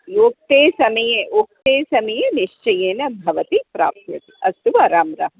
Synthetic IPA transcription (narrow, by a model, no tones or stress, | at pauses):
joːk̚t̪eːsɐmɐjeʔoːk̚t̪eːsɐmɐjeniʃt͡ʃɐjeːnɐbʱɐʋɐt̪ipɾa̰ːp̚t̪jɐ̰t̪iɐst̪uʋɐɾaːmɾa̰ːɦm